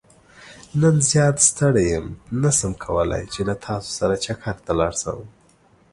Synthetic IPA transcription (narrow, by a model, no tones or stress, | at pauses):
nənzjɑt̪st̪əɽajəmnasəmkʰawəla̰jt͡ʃelat̪ʰɑso̥saɾat͡ʃakʰaɾt̪alɑɽsa̰wəm